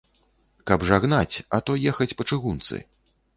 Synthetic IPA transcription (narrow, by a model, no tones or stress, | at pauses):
kɐbʐaɣnat͡sʲɐt̪ɔjɛxɐt͡sʲpɐt͡ʂɨɣunt̪sɨ̰